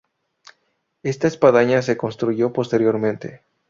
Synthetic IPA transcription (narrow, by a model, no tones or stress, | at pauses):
e̞st̪aespaðaɲas̬e̞ko̞nst̪ɾuʝo̞po̞st̪e̞ɾjo̞ɾmẽnt̪e̞